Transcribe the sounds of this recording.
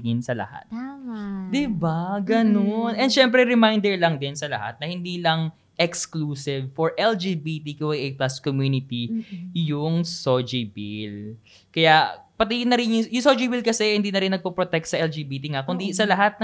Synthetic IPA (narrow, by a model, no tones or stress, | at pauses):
ɪnsɐlɐ̰ha̰t̪ | d̪ɪbaɡɐnonɛnd̪ʃɛmpɾɛɹɛmajnd̪ɛɹlɐŋd̪ɪnsɐlɐ̰ha̰t̪̚nɐhɪnd̪iːlɐŋ | ʔɛkskluːsɪvfɔɹʔɛld͡ʒiːbit̪ikuwɐɡʔejplaskomjuːnɪt̪ijʊŋsod͡ʒibil | kɐjapɐt̪iɪnːɐɾɪnjʊjʊŋsod͡ʒibilkɐsɛhɪnd̪iːnɐɾɪnːɐɡ̚popɾot̪ɛk̚t̪sɐʔɛld͡ʒiːbiːt̪iŋakʊnd̪isɐlɐɦat̪̚nɐ